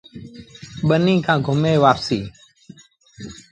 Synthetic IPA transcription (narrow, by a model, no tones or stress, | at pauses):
ɓənĩːkʰãːɡʱʊmeːʋaːpsiː